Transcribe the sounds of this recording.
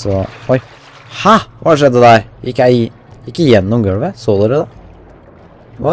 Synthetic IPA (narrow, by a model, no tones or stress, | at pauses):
sɔɔɪ | hɑʋɑːʂɛd̪ːəd̪æɾjɪkːjæɪ | jɪkːəjɛnːɔmɡøːʋəsoːləɾɛd̪ɛ | ʋɑ